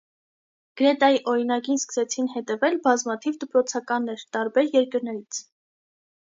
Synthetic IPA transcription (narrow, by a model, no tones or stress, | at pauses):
ɡ̥ɾɛt̪ɑjiʔɔɾinɑkinskə̥sɛt͡sʰinɦɛt̪ɛvɛlbɑzmɑt̪ʰivd̪əpɾɔt͡sʰɑkɑnːɛɾt̪ɑɾbɛɾjɛɾkəɾnɛɾit͡sʰ